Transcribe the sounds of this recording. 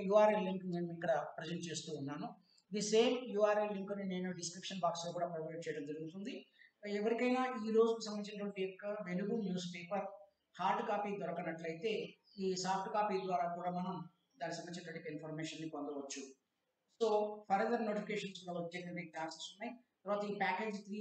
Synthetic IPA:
juːaːɾeliŋkneːnuikːɐɽɐpɾezɐnʈ̚t͡ʃe̞ːst̪uːnːaːnu | d̪ise̞ːmjuːaːɾeliŋkɐnine̞ːnuɖiskɾipʂɐnbaːksloːkuːɽaːpɾɐjʋɐjʈ̚t͡ʃɛjɐɽɐmd͡ʒɐɾuɡut̪und̪iɛʋɐɾikɐjnaːiːɾo̞ːd͡ʒukisɐmɐnit͡ʃinɐʈʋɐɳʈijɔkːɐʋenuɡunjuːspeːpɐɾ | haːɾʈkaːpiːd̪ɔɾɐkɐnɐʈlɐjit̪e̞ː | iːsaːp̚ʈkaːpid̪ʋaːɾaːkuːɽaːmɐnɐm | d̪aːnːis̬ɐmːɐnt͡ʃnɐʈ̪ʋɐʈikɐinpʰoɾmeːʃɐnnipond̪ɐʋɐt͡ʃːu | so̞ːpʰɐɾɐd̪ɐɾnoːʈipʰikeːʃɐnskuɽaːɐt͡ʃeɐʈekʈaːnsɐ̥ksunːaːji | t̪ɐɾʋaːt̪ɐiːpaːke̞ːd͡ʒt̪ɾi

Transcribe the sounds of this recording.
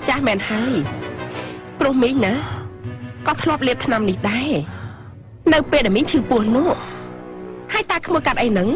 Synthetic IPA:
t͡ɕaːhmɛːnhaəj | prʊ̆əhmiːɲna | kɑːt̪ʰlŏəp̬̚liət̪̚t̪ʰnamnihɗaɛ | nɨwpeːlɗamiːɲt͡ɕʰɨːpʊəhnʊəʔ | haəjt̪aːkʰmuəkat̪̚ʔəjnɨŋ

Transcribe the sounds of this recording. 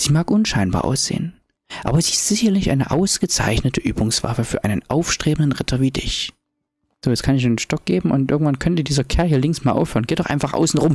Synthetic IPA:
z̥iːmaːkʔʊnʃaɪnba̰ːɐʔa̰ʊsz̥ḛːən | ʔaːbɐziːɪstz̥ɪçɐlɪçʔa̰ɪnəʔa̰ʊsɡ̥ət͡sa̰ɪçnətʰəʔyːbʊŋsv̥a̰fəfyːɐʔaɪnənʔaʊfʃtʁ̥eːbn̩dənʁɪtʰɐviːdɪ̰ç | z̥oːjɛt͡skʰanɪçdeːnʃtɔk̚ɡ̥eːbm̩ʊntʔɪɐɡŋ̩tv̥ankʰœntədiːzɐkʰɛɐhiɐlɪŋsmaːlʔa̰ʊfhøːʁnɡeːtdɔʊʔaɪfaχʔa̰ʊsn̩ʁʊm

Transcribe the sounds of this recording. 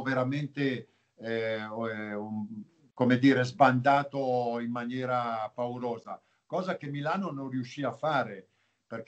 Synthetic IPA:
veɾament̪e | komed̪iːɾezband̪aːt̪oimːanjɛːɾapauɾoːza̰ | kɔːzakemːilaːnononriuʃːiːafːaːɾe | perk

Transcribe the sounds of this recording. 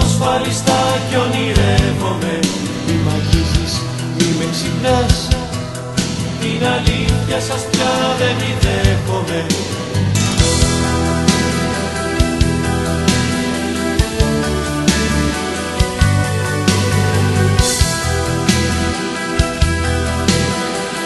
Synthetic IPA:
osfɐlist̪ɐconiɾekome | mimɐʝizis | mimeksiknɐs | t̪inɐliθçɐsɐspçɐðe̞niðeko̞me

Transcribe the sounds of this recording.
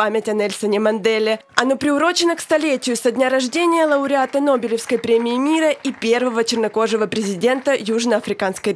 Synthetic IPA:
amʲɪtʲɐnɛlʲsʲənʲɪmɐnd̪ɛlʲɪɐnopɾʲɪʊɾo̞t͡ɕɪnəkst̪ɐlʲetʲɪjʊsɐdʲnʲaɾɐʐdʲenʲɪjəlˠəʊɾʲɪat̪əno̞bʲɪlʲɪfskəjpɾʲemʲɪːmʲiɾəʔipʲe̞rvəvət͡ɕɪrnɐko̞ʐɨvəpɾʲɪzʲɪdʲe̞nt̪əjuʐnəɐfɾʲɪkanskəj

